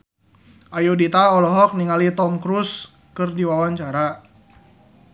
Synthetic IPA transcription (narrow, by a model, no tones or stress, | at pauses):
ʔajudit̪aɔlɔɦɔk̚niŋalit̪ɔmkɾus | kɨrdiwawaɲt͡ʃaɾa